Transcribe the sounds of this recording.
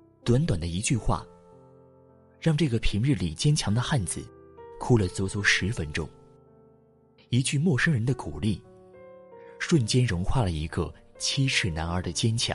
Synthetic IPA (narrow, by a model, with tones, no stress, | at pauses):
t̪wa˧˥nt̪wa˨˩nd̪ə˦i˧˥t͡ɕy˥˧xwa̰˥˩ | ɻɑ˥˧ŋʈ͡ʂɤ˥˩ɡə˩pʰi˧˥ŋɻ̩˥˩lḭ˨˩t͡ɕjɛ˥nt͡ɕʰjɑ˧˥ŋd̪ə˧xa˥˩nt͡sɹ̩˨˩kʰu˥lə˨t͡swɔ˧˥t͡swɔ˥˩ʂɻ̩˧˥fə˥nʈ͡ʂʊ̰˥ŋ | i˧˥t͡ɕy˥˧mwɔ˥˩ʂə˥ŋɻə˧˥nd̪ə˧ku˨˩li˥˩ | ʂwə˥˩nt͡ɕjɛ˥nɻʊ˧˥ŋxwa˥˩lə˩i˧˥ɡə˧t͡ɕʰi˥ʈ͡ʂʰɻ̩˥˩na˧˥nə˞˧˥d̪ə˧t͡ɕjɛ˥nt͡ɕʰjɑ̰˧˥˦ŋ